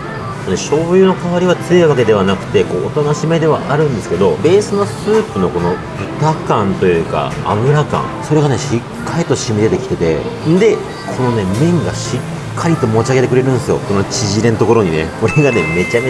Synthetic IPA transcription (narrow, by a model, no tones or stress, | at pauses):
one̞ɕo̞ːjɯːno̞kaβaɾʲiβ̞at͡sɨeβake̞d̪e̞β̞anakɯ̟̥t̪e̞ko̞ːt̪anoɕime̞d̪e̞βa̰ʔaɾɯ̟̃nd̪e̞sɨ̥ke̞d̪o̞be̞ːsɨno̞sɨːpɯ̟no̞ko̞no̞ | bɯ̟t̪akãnt̪o̞jɯ̟ːka̰a̰mɯ̟ɾakã̰ŋso̞ɾe̞ɡane̞ɕikʰːaɾʲit̪o̞ɕimʲid̪e̞t̪e̞kʲi̥t̪e̞t̪e̞̰nd̪e̞ | kʰo̞no̞ne̞mẽ̞ŋɡaɕikʰːaɾʲit̪o̞mo̞t͡ɕiaɡe̞t̪e̞kɯ̟ɾe̞ɾɯ̟nd̪esɨijo̞̰konot͡ɕiʑiɾe̞not̪o̞koɾo̞ɲ̟ine̞̰ko̞ɾe̞ɡane̞me̞t͡ɕame